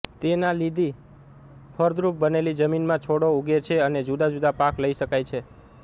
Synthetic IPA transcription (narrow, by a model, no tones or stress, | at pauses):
t̪enalid̪ʱi | pʰəɾd̪ɾup̚bənelid͡ʒəminmãt͡ʃʰoɽouɡet͡ʃʰeəned͡ʒud̪ad͡ʒud̪apãkləiʃəkajt͡ʃʰe